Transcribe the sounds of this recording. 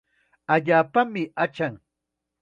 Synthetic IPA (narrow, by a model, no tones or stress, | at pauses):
aʎaːpamɪat͡ʃaŋ